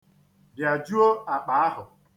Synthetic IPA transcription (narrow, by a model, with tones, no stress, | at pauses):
bja˨d͡ʒu˦o˦a˨k͡pa˨a˦ɦʊ˨